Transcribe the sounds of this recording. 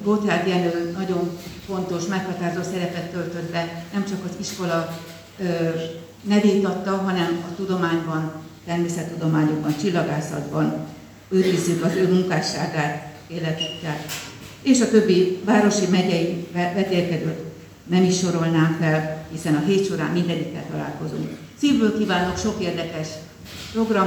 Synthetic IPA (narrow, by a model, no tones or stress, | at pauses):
ɡot̪aːt̪jɛløːlnɒɟo̞ɱfo̞nt̪o̞ʃmɛkhɒt̪aːrozoːsɛɾɛpɛt̪ːø̞lt̪ø̞d̪bɛnɛmt͡ʃɒkɒziʃko̞lɒ | nɛveːt̪ɒt̪ːɒɦɒnɛmɒt̪ud̪o̞maːɲbɒnt̪ɛrmeːsɛt̪ːud̪o̞maːɲo̞ɡ̚bɒnt͡ʃilːɒɡaːsɒ̰d̪bɒn | øːt̪vizykɒzøːmuŋkaːʃaːɡaːt̪ | eːlːɛt̪ykːɛleːʃɒt̪ø̞bːivaːɾo̞ʃimɛɟɛivɛlvɛt̪eːlkɛd̪øːt̪ | nɛmiʃːo̞ɾo̞lnaːkfɛlhisɛnɒɦeːt̪ʃo̞ɾa̰ːmːind̪ɛɲikːɛ̰lt̪ɒla̰ːlko̞zṵŋk | siːvbøːlkiːvaːnokʃo̞keːrd̪ɛkɛʃ | pro̞ɡrɒ